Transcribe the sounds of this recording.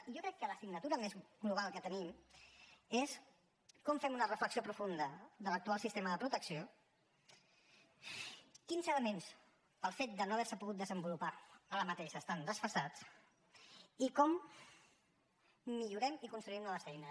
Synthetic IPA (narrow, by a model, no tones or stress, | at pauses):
iʒokɾɛkːələsiɡnət̪uɾəmezɣluβ̞alˠkət̪ənim | es | kɔmfɛmunərəfləksiopɾufund̪əðələk̚t̪ualˠsist̪eməðəpɾut̪əksio | kinzələmens | pəlˠfet̪̚d̪ənoəβ̞ɛɾsəpuɣut̪̚d̪əzəmbulupaələmət̪eʃəːst̪and̪əsfəsat͡s | ikɔm | iʎuɾɛmikunst̪ɾuimnɔβəsɛjnə